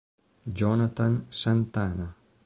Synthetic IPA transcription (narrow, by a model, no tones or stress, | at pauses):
d͡ʒɔnat̪ansant̪ana